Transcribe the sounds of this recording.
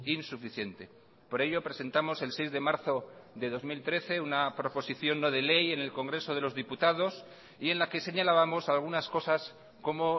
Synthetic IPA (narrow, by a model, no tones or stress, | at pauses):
insufiθje̞nt̪e̞ | po̞ɾe̞ʎo̞pɾe̞se̞nt̪amo̞se̞lsejzðemaɾθo̞ðe̞ðo̞zmilt̪ɾe̞θe̞unapɾo̞po̞siθjo̞nːo̞ð̞e̞le̞je̞ne̞lko̞ŋɡɾe̞so̞ð̞e̞lo̞zðiput̪að̞o̞s | ie̞nlake̞se̞ɲalaβamo̞salɣ̞unasko̞sas | ko̞mo̞